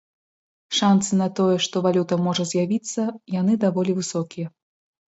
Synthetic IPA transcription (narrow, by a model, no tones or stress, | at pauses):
ʂant̪sɨnɐt̪ɔjɛʂt̪ɔvalʲut̪ɐmɔʐɐzʲjavʲit̪sːɐjanɨd̪avɔlʲivɨsɔkʲijɐ